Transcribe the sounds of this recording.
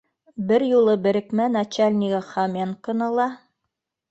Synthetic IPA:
bɘɾjulˠɤbɘ̆ɾɘ̆kmænɑt͡ɕalʲnʲiɡaχɑmʲenkŏnɤlˠɑ

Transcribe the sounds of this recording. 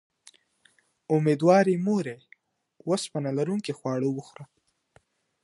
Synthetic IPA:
ʊmed̪wɑɾimoɾej | wospənalaɾuŋkexwɑɽowuxɾa

